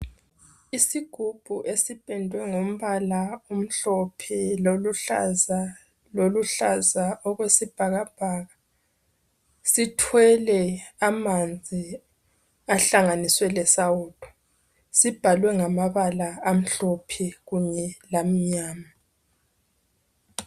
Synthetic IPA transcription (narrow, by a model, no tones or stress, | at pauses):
isiɡ̥ʱub̥ʱuʔesib̥ʱʼɛndʱwɛŋom̩βalaum̩ɬɔpʰiloluɬa̰za | loluɬazaʔɔɣwesib̥ʱaɣab̥ʱaːɣa | sitʰwɛlɛamand͡zʱi | aɬaŋaniswɛlɛsawuːtʰʼɔ̥ | sib̥ʱalwɛŋamaβalaːm̩ɬɔpʰɛɣuɲɛlam̩ɲaːma